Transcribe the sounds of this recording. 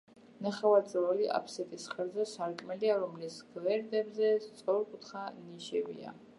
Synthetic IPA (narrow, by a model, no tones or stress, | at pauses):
naχavazʼɾɔliʔa̰pʰsɛt̪ʼisχɛɾzɛsaɾkʼmɛliaɾɔmlisɡ̥vɛɾd̪ɛbzɛst̪sʼɔɾkʼut̪ʰχaniʃɛvḭa̰